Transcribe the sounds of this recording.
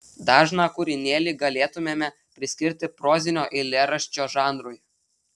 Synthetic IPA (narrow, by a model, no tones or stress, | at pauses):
d̪ɑːʒnɑːkʊɾʲɪnʲeːlʲiɡɐlʲeːt̪ʊmʲeːmʲɛ | pʲɾʲɪsʲkʲɪɾʲt̪ʲɪpɾoːzʲɪnʲoːʔɪlʲeɾɐʃʲt͡ʃʲoːʒɑːnɾʊj